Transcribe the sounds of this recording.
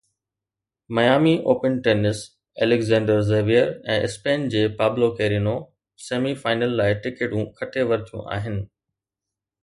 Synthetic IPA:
mɐjaːmiʔoːpənʈeːnɪs | eːlɪɡzɛ̃ːɳɖəɾzeːʋijəɾɛ̰̃ːʔɪ̰speːnd͡ʑeːpaːblokeːɾino | seːmifaːɪnəlːaːɪʈɪkeɖũkʰɐʈʰeʋɐɾɪt̪ʰjṵ̃ʔa̰ːɦɪnɪ̆

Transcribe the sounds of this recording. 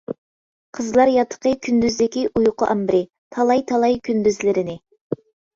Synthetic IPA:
qʰəzlˠɑɾjɑt̪ʰːə̥qəkʲʰynd̪yzd̪ɪkʲiʔujʊqʊʔɑmbɪɾɪ | t̪ʰɑlˠɑjt̪ʰɑlˠɑjkʲʰynd̪yzlɪɾɪnɪ

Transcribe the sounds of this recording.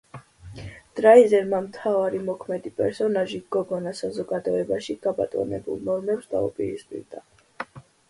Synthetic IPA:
d̪̥ɾaizɛɾmamt̪ʰavaɾimɔkʰmɛd̪ipʼɛɾsɔnaʒiɡɔɡɔnasazɔɡad̪ɔɛbaʃiɡ̥aba̰t̪ʼɔ̰nɛ̰bṵlˠnɔɾmɛpsd̪a̰ṵpʼiɾispʼḭɾd̪a

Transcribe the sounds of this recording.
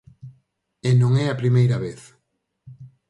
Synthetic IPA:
enõŋɛapɾimejɾɐβeθ

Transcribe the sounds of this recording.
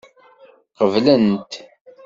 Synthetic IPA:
qəvlənt̪

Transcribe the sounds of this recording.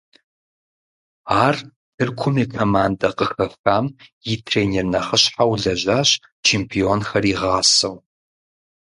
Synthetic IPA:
aːr | tʰɨrkʷʰʊmikʰɐmaːndɐqəxɐfaːmjitʰreːnernɐχəɕħawɮɐʑaːɕ | t͡ʃʰeːmpʰionxɐriːʁaːsɐw

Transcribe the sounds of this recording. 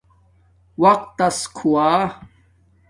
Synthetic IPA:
wɐq̚t̪ːɐskʰuwaː

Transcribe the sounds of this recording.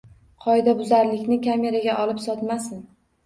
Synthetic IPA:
qʰɒɪd̪abʊzaɾlɪkʲnɪkʲʰame̞ɾaɡʲaʔɒlˠɪpsɒt̪masɪn

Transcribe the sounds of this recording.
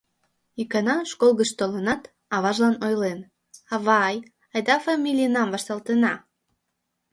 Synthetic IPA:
ikɑnɑʃkolˠɣəʃt̪olənɑt̪ | ɑβɑʒlɑnojlen | ɑβɑj | ɑjd̪ɑfɑmʲilʲijnɑmvɑʃt̪ɑlt̪enɑ

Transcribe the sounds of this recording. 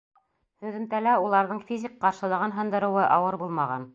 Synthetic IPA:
hʉ̆ðɘ̆nt̪ælæulˠɑɾðɤɴfʲizʲikqɑɾʃɤ̆lˠɑ̆ʁɑnɦɤ̆nd̪ɤ̆ɾɤ̆wɤʔɑwɤɾbulˠmɑʁɑ̰n

